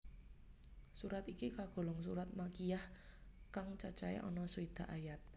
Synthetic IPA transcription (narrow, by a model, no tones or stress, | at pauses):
suɾat̪ikikaɡ̥o̤lɔŋsuɾat̪̚makijahkaŋt͡ʃat͡ʃaɛ̰ʔɔ̰nɔsuid̪̥a̤ʔajat̪̚